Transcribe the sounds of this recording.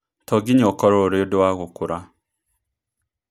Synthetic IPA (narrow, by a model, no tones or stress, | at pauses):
tʰɔɡiɲɔkɔɾoɾeodowaɣokuɾa